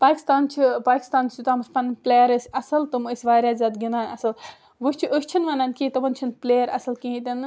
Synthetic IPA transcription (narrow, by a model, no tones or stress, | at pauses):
paːkʲist̪aːnt͡ʃʰipaːkʲi̥st̪aːnsut̪aːmɐsʲpʰɐnplʲeːjɐɾəsʲɐsɐlt̪ɐməsʲʋaːɾʲjaːzʲaːd̪ɡʲinaːnɐsɐl | ʋɨsʲt͡ʃʰiəsʲt͡ʃʰinʋanaːnkiːt̪ɐʋɐnt͡ʃʰinpleːjɐɾɐ̰sɐlkĩɦĩt̪ʲɐnɨ